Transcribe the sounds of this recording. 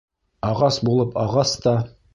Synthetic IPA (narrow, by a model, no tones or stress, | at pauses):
ɑʁɑsbulˠɤpɑʁɑst̪ɑ